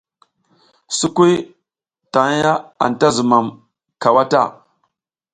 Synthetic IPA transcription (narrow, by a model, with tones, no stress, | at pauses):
su˦ku˦j | ta˨˦ja˦a̰˨nta˦zu˨ma˨m | ka˨wa˦ta̰˦˨